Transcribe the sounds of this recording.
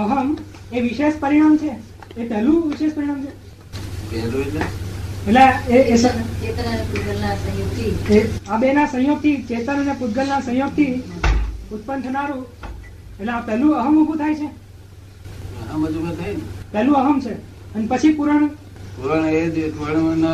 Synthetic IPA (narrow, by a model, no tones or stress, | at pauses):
əɦəm | eʋiʃeʃpəɾiɽ̃amt͡ʃʰeː | pɛɦlũʋiʃeʃpəɾiɽ̃amt͡ʃʰe | kɛɾued͡ʒeeleeesət͡ʃet̪ənaɾiput̪ɡəɾnasə̃joɡt̪ʰieabenasə̃joɡ̚t̪ʰit͡ʃet̪ənənepud̪̚ɡəlnasə̃joɡ̚t̪ʰi | ʊt̪̚pənt̪ʰənaɾũ | eleapɛɦlũəɦəmubʱũt̪ʰajt͡ʃʰe | aməd͡ʒukət̪ʰajnepɛlũəɦəmt͡ʃʰe | ənepət͡ʃʰipuɾəɳ̃ | puɾaɳ̃ed͡ʒeʈʋəɽna